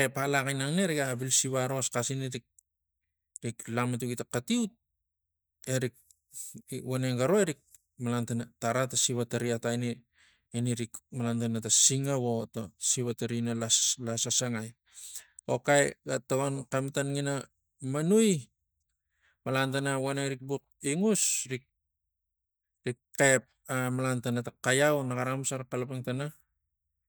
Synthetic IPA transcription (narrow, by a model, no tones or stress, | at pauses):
epalakajnaŋneɾikabilsiβaɾo̞skasiniɾik̚ | ɾiklaŋmatukitakatiut̚ | eɾik̚ | woneŋɡaɾoeɾik̚ | malantanataɾatasiβataɾiatajne | eniɾikmalantanatasiŋaβotasiβataɾinalalasasaŋaj | okajɡatoɡonkamatanŋina | manuj | malantanawanaɾik̚buk̚ | iŋusɾik̚ | ɾikkep̚amalantanatakajawnaɡaɾamusaɾakalapaŋtana